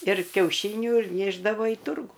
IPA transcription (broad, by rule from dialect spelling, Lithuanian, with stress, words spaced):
ɪr kʲɛʊˈʃʲiːnʲʊ ɪr ˈnʲeːʒdɐʋoː iː ˈtʊrɡuː